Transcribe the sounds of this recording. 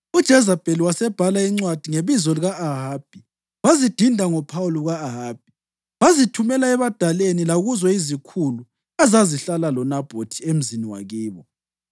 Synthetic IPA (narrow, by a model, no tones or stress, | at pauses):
ud̥ʒ̥ʱɛzab̥ʱʼeliwasɛb̥ʱalaiŋ͡ǀwad̥ʱiŋeβizɔliɣaʔːɦaːb̥̚ʱi | wazid̥ʱindʱaŋɔpʰawuluɣaːɦaːb̥ʱi | wazitʰumɛlaɛβad̥ʱalenilaɣuzɔizikʰulu | azaziɬalalɔnab̥ʱotʰiem̩ziniwa̰ɣiːβɔ